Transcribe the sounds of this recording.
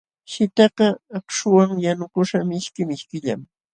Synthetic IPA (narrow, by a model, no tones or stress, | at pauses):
ʃɪt̪ɑqɑːkʃʊwaŋjanʊkʊʃamɪʃkɪmɪʃkɪʎa̰m